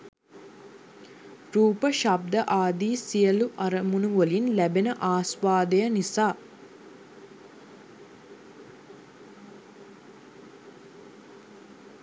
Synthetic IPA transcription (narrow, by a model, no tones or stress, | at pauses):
ɾuːpəʃab̚d̪əʔaːd̪iːsijəluʔɐɾəmunuʋolinlæbenəʔaːsʋaːd̪əjənisaː